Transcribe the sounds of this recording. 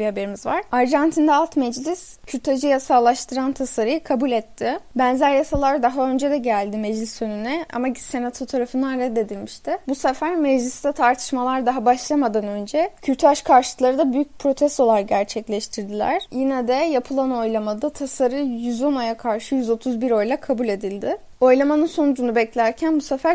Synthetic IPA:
bihabe̞ɾimizvaɾ̥aɾʒant̪ʰind̪ɛalˠt̪mɛd͡ʒlʲis | cʰyɾʲt̪ʰad͡ʒɯjasaːlˠaʃt̪ʰɯɾant̪ʰasaɾɯjɯkʰabulʲɛt̪ʰːɪbænzæɾjasalˠaɾd̪aɦaø̞nd͡ʒɛd̪ɛɟælʲd̪ɪmɛd͡ʒlʲisønynɛa̰mase̞nat̪ʰot̪ʰaɾafɯnd̪anɾɛd̪ːe̞d̪ilʲmiʃt̪ɪbusɛfæɾmɛd͡ʒlʲist̪ɛt̪ʰaɾt̪ʰɯ̥ʃmalˠaɾd̪aɦabaʃlˠamad̪anø̞nd͡ʒɛcʰyt̪ʰaʃkʰaɾʃɯ̥lˠaɾɯd̪abyjyc̚pʰɾo̞t̪ʰɛst̪o̞lˠaɾɟæɾt͡ʃʰɛclʲɛʃt̪ʰiɾd̪ilʲæ̰ɾ̥jinɛd̪ɛjapʰɯlˠano̞jlˠamad̪at̪ʰasaɾɯjyzo̞najakʰaɾʃɯjyzo̞t̪ʰuzbiɾo̞jlˠakʰabulʲe̞d̪ilʲd̪ɪ | o̞jlˠamanɯnso̞nud͡ʒunubɛclʲæɾcʰænbusefæɾ

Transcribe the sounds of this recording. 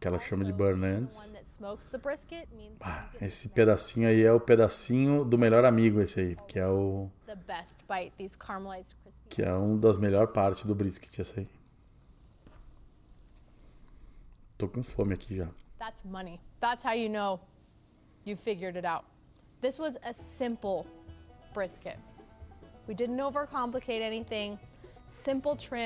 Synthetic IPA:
kɛlɐʃɐ̃mɐd͡ʒɪbeɾnɐ̃d̪snðɨtsmoʊksðəbɹɪskɪt̚aesɪped̪asĩɲʊaiɛʊped̪asĩɲʊd̪ʊmeʎɔɾamiɡʊesɪaikɪɛʊðɨbɛst̚b̥aɪt̪̚ðiz̥kʰɑɹmlaɪz̥kʰɹ̥ɪ | kɪɛ̰ũd̪ɐzmeʎɔɾpaɾt͡ʃɪzd̪ʊbɾiskɪ̥t͡ʃɪɛsɐi | t̪okõfõmɪakʰiʒaðætsmʌniðætshaʊjɨnoʊ | jɨfɪɡjə˞ɾɨɾaʊt̪̚ | ðɪswʌzɨsɪ̃mpl̩ˠb̥ɹɪskɪ̰t̚ | widɪdⁿn̩toʊvə˞kʰɑ̃mplɨkʰeɪɾɛniθɪ̃ŋ | sɪ̃mpl̩ˠtʰɹ̥ɛ̃

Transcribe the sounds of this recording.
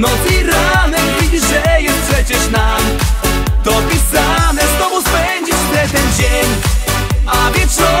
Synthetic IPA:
nɔt̪iɾanɛvʲid͡ʑiʐɛjɛst̪̚pʂɛt͡ɕɛʂnam | t̪ɔpʲisanɛst̪ɔvuspɛɲd͡ʑiʂt̪ɛt̪ɛnd͡ʑeɲ | avʲjɛtʂɔ

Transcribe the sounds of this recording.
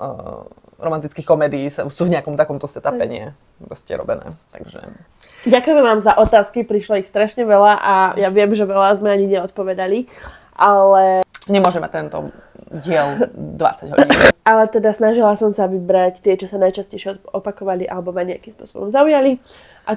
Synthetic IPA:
ɾɔmant̪it͡skiːxkɔmɛːd̪iːsasuːvɲɛakɔmt̪akɔmt̪ɔsɛt̪apɛɲɪɛ̰ | pɾɔscɛ̰ɾɔ̰bɛnɛ̰ːt̪aɡʒɛ̰ | ɟakujɛmɛʋaːmzaʔɔt̪aːskipɾiʃlaixst̪ɾaʃɲɛʋɛlaʔajaʋɪɛmʒɛʋɛlazmɛaɲiɲɛɔt̪̚pɔʋɛd̪ali | ʔalɛɲɛmʊɔʒɛma̰c̚t̪ɛnt̪ɔ̰ | ɟɪɛld̪ʋa̰t͡saɟɦɔ̰ɟiːnʔalɛt̪ɛd̪asnaʒilasɔmsaʋibɾact̪ɪɛt͡ʃɔsanajt͡ʃascɛjʃɛɔpakɔʋaliʔa̰lɛbɔmaɲɛakimspʊɔ̰sɔ̰bɔ̰mzaujali | ʔa

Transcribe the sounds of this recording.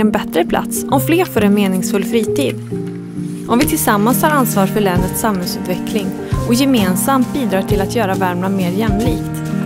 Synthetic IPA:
ɛnbɛt̪ɾəpʰla̰t̪sʔɔmfleːɾfœɾɛnmeːnɪŋsfɵlːfɾiːt̪ʰiːd̪ | ʔɔmvɪt̪ʰɪlsamːanshaɾansvɑːɾfœɭɛnət̪samhɛlsʉ̟ːt̪vɛkʰlɪŋ | ɔjɛmeːnsamt̪̚biːd̪ɾɑːʈʰɪlat̪jœːɾavæɾmɳameːɾjɛmliːkt̪

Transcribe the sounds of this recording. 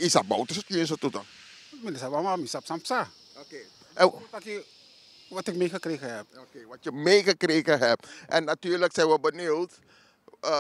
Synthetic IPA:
isabɔ̰wtəsətiəns̬ətutə | minəsabamamisapsampsa | okeː | ɛtakji | ʋatɪk̚mexəkɾeːɣəɦɛp̚okeːʋatjəmexəkreːɣəɦɛp̚ʔɛnːatyːrləksɛjʋəbənilt

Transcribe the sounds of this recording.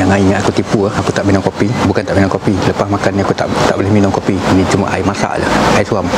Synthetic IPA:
jaŋaiɲaakut̪ipuahakut̪aʔminʊŋkopibukant̪aʔminʊŋkopiləpasmakaniakut̪a̰ʔt̪aʔbolehminʊŋkopiinĩt͡ʃuma̰ʔa̰imasa̰ʔlə̰haisuam

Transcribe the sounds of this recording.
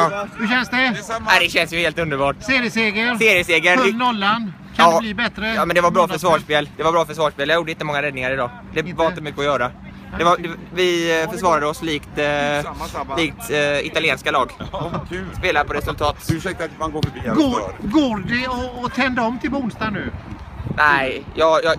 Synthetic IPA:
hɵɕɛnsd̪ɛad̪ɛɕɛnsjɵheːlt̪ɵnd̪əɾbɑːʈseːɾɪəseːɡəɾseːɾɪəseːɡəɾfnɔlːand̪ | kʰanːbliːbɛt̪ɾəjɑːmɛnd̪ɛvaɾbɾɑːfœʂvɑːʂpeːld̪ɛvaɾbɾɑːfœʂvɑːʂpeːljajuːɖəɪnt̪ːəmɔŋːaɾɛd̪nɪŋaɾɪd̪ɑː | d̪ɛvɑːlt̪əmʏkːəɔjœːɾa | d̪ɛvad̪ɛvɪfœʂvɑːɾad̪əɔsliːkt̪ː | sliːk̚t̪ɪt̪alɪeːnskalɑːɡkʰːspeːlad̪əpʰɔɾɛsɵlt̪ʰɑːt̪ʉsɛk̚t̪amanɡoːfœbiːɡɡoːdɛɔːt̪ʰɛnd̪aɔmːt̪ʰɪlpɔʊnst̪anʉ̟ː | næɪjɑːjɑ

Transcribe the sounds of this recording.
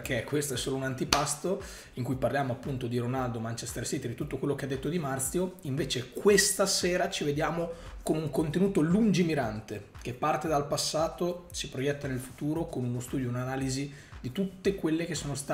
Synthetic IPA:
k̟ekwest̪oɛsːoːlounant̪ipast̪o | iŋkujparljaːmoapːunt̪od̪iɾonald̪omant͡ʃest̪ersit̪ed̪it̪ut̪ːokwelːokead̪ːet̪ːod̪imart̪sjoiɱveːt͡ʃekwest̪aseːɾat͡ʃived̪jaːmokonuŋkont̪enuːt̪olund͡ʒimiɾant̪ek̟epːart̪ed̪alpasːaːt̪osipɾojɛt̪ːanelfut̪uːɾokonunost̪uːd̪jounanaːlizi | d̪it̪ut̪ːekwelːek̟esːoːnost̪a

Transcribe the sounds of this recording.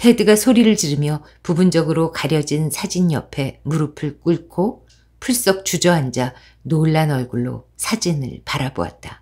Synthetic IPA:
tʰe̞dɯɡasʰoɾiɾɯɭt͡ɕiɾɯmjʌ | pubund͡ʑʌɡɯɾokaɾjʌd͡ʑinsʰad͡ʑinjʌpʰe̞muɾɯpʰɯɭk͈uɭkʰo | pʰuɭs͈ʌk̚t͡ɕud͡ʑʌɦand͡ʑa | noɭːanʌɭɡuɭːo̰sʰad͡ʑinɯ̰ɭpaɾabo̰a̰t̚t͈a

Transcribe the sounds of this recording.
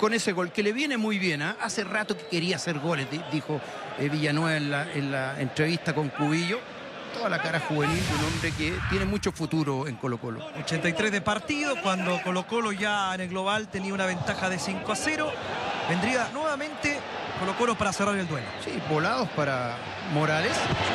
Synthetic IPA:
koneseɣo̞lkeleβje̞nemujβjenaʔaserat̪oke̥keɾiaseɾɣolezðiðixo | eβiʝanweβaenlaʔenlaḛntɾeβist̪ako̞ŋkuβiʝo | t̪oðalakaɾaxuβenild̪unõmbɾeket̪jenemut͡ʃofut̪uɾoeŋkolokolo̰ot͡ʃent̪ajt̪ɾezðepaɾt̪iðokwand̪okolokoloʝaenelɣloβalt̪eniaunaβ̞e̞nt̪axaðesiŋkoaseɾo | bend̪ɾianweβamẽ̞nt̪e | kolokolopaɾaseraɾleld̪welosibolaðospaɾa | moɾales

